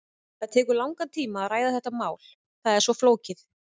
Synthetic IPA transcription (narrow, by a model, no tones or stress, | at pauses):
θaðt̪ʰɛːkʏɾlawŋkat̪ʰiːmaːɾaːjðaθɛht̪ːamaːwl̥ | θaðɛɾ̥svɔfloːwcɪθ